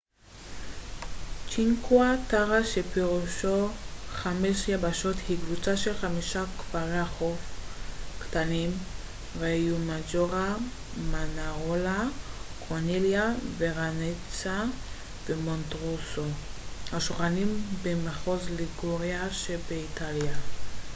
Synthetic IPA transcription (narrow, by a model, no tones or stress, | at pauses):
t͡ʃiŋkwataʁaʃepeʁuʃoχameʃjabaʃothiɡvut͡saʃelχamiʃakpalaχofktanim | ʁejumad͡ʒoʁa | manaʁolakʁoniljaveʁanet͡sa | vemontʁusohaʃoχanimbemaχozliɡoʁeaʃebeitalja